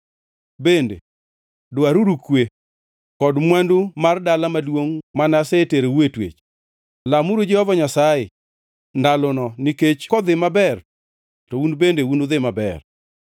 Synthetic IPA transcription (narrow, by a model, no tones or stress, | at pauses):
bendḛ | dʊaɾuɾukwe | kɔdmwandumardalamadwoŋmanaseteɾewetwḛt͡ʃ | lamuɾod͡ʒɛhɔvɔɲasajɪ | ndalonɔniket͡ʃkɔd̪ɪmabɛr | tɔunbendeunod̪ɪmabɛ̰r